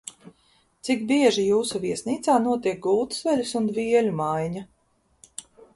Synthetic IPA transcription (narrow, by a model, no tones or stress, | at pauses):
t̪sikbiɛʒijuːsuvʲiɛsniːt̪saːnuɔt̪iɛk̚ɡult̪svɛlʲusund̪vʲiɛlʲumajɲa